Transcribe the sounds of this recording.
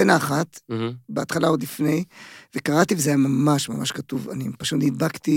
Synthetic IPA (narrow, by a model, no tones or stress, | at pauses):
enaːχat̪beat̪χalaod̪lifne̞jvekaʁat̪ivezajamamaʃmamaʃkat̪uva̰nipaʃut̪nid̪bakt̪i